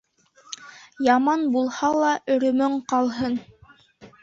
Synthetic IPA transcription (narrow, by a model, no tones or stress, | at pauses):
jɑmɑnbulˠhɑlˠɑʔɵ̆ɾɵ̆mɵɴqɑlˠɦɤn